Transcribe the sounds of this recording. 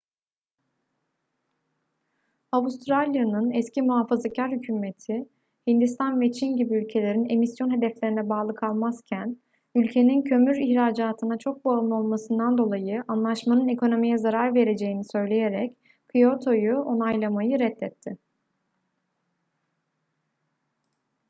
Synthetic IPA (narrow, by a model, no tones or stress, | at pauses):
aust̪ʰɾalʲijanɯnɛscimuɦafazacʰaɾhycʰyːme̞t̪ʰɪ | hind̪ist̪ʰanvɛt͡ʃʰinɟibiylʲcʰe̞lʲe̞ɾine̞misjo̞nɦe̞d̪ɛflʲeinɛbaːlˠɯkʰalˠmaz̥cʰæn | ylʲcʰe̞nincʰø̞myɾiçɾaːd͡ʒaːt̪ʰɯnat͡ʃʰo̞k̚baɯlˠɯo̞lˠmasɯnd̪and̪o̞lˠajɯʔanlˠaʃmanɯne̞kʰo̞no̞mijɛzaɾaɾve̞ɾe̞d͡ʒe̞jinisø̞jlʲe̞je̞ɾɛc | kʰijo̞t̪ʰo̞juʔo̞najlˠamajɯɾɛt̪ʰːɛt̪ʰːɪ